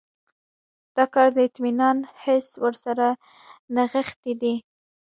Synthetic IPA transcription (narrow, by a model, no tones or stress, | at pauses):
d̪̥ɑkɑɾd̪əɪt̪minɑnhɪswəɾsaɾa | naɣəxt̪id̪i